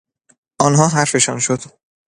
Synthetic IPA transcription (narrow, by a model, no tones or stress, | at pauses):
ʔɒːnɦɒːɦæɾfe̞ʃɒnʃod̪̥